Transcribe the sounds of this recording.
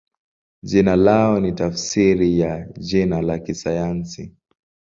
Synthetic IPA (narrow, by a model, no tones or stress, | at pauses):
ʄinalaɔnitafsiɾijaʄinalakisajansi